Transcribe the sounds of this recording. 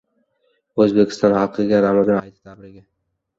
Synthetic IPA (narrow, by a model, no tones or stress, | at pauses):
ɵzbekʲʰɪ̥st̪ɒnhɑlqʰɨɡʲaɾamazanajt̪ɪ̥t̪ʰabɾɪɡʲa